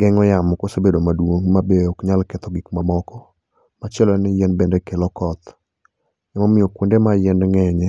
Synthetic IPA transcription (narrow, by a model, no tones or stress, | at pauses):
ɡɛŋɔjamkosebedomadwoŋmabeokɲalkɛt̪ɔɡikmamɔkɔ | mat͡ʃɛlɔnɪjɛnbendɛkelɔkɔt̪ | ɛmɔmɪjɔkwondemajɛnŋɛɲɛ